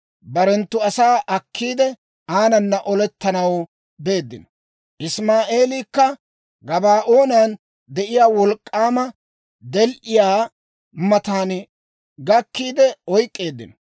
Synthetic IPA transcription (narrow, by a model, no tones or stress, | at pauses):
bɐɾɛnt̪ːʊɐsaːʔɐkʰːiːd̪ɛ | aːnɐnːɐʔɔlɛt̪ːɐnɐw | be̞ːd̪ːɪ̰nɔ | ʔɪsmaːʔe̞ːlikːɐ | ɡɐbaːʔo̞ːnan | d̪ɛʔɪjaːwɔlkʼːaːmɐ | d̪ɛlʔɪjaː | mɐt̪aːn | ɡɐkːiːd̪ɛɔjkʼːe̞ːd̪ːɪ̰nɔ